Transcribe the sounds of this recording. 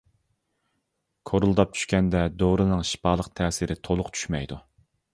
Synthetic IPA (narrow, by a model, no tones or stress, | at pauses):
kʰoɾulˠd̪ɑp̚t͡ʃʰy̥ʃkʲɛnd̪ɛd̪oɾɨnɨŋʃi̥pɑːlˠəqt̪ʰɛːsɪɾɪt̪ʰolˠʊqt͡ʃʰy̥ʃmɛjd̪u